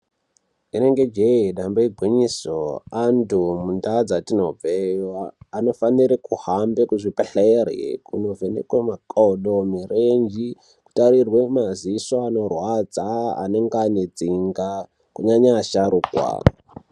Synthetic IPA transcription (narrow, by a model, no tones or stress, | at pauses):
ine̞ŋɡe̞d͡ʒeiɗamboiɡʱwiɲiso̰andumundad͡zatinob͡vejaːno̞faniɾikuhambekuʐipeɬerḛkuno̞venḛkwemakʼoɗomirend͡ʒi | ku̥taɾirwe̞mazisoano̞rwad͡zaa̰neŋɡaɲed͡ziŋɡa | kuɲaɲaːʃaɾuːkwa̰